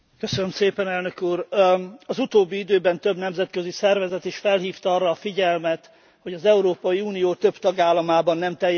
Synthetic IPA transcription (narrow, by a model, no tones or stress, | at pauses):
køsønømseːpɛnɛlnø̞kuːɾɒzut̪oːbːiid̪øːbɛnt̪ø̞bnɛmzɛt̪køzisɛrvɛzɛt̪eːʃfɛlɦiːft̪ɒɒrːɒːfiɟɛlmɛt̪ | ho̞ɟɒzɛuɾoːpɒjiuːnijoːt̪ø̞b̥t̪ɒɡaːlːɒmaːbɒnːɛmt̪ɛj